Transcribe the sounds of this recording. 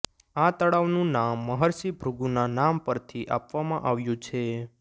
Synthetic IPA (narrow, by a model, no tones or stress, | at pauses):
at̪əɽaʋnũnamːəɦəɾsibʱɾuɡunanampəɾt̪ʰiʔapʋamãʔaʋjũt͡ʃʰe